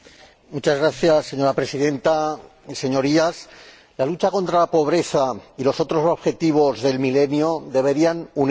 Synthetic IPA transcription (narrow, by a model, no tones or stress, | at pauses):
mut͡ʃazɣɾaθjasːe̞ɲo̞ɾapɾe̞siðẽ̞nt̪a | se̞ɲo̞ɾias | lalut͡ʃako̞nt̪ɾalapo̞β̞ɾe̞θailo̞so̞t̪ɾo̞so̞βxe̞t̪iβ̞o̞zðe̞lmile̞njoðe̞β̞e̞ɾianun